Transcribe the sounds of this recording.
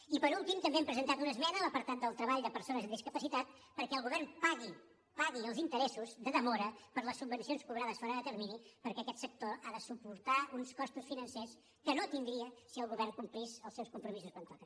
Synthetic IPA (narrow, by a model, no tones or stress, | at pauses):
ipəɾulˠt̪imt̪əmbeɛmpɾəzənt̪at̪unəzmɛnələpəɾt̪at̪̚d̪əlˠt̪ɾəβaʎd̪əpəɾsonəzənd̪iskəpəsit̪at̪̚ | pəɾkɛəlˠɣuβɛrnpaɣi | paɣiəlˠzint̪əɾɛsuzd̪əðəmɔɾəpəɾləsːub̚bənsionskuβɾaðəsfɔɾəðət̪əɾminipəɾkɛəkɛt̪sək̚t̪oaðəsupuɾt̪aunskɔst̪usfinənses | kənot̪ind̪ɾiəsiəlˠɣuβɛrŋkumplizəlˠsɛwskumpɾumisuskwant̪ɔkən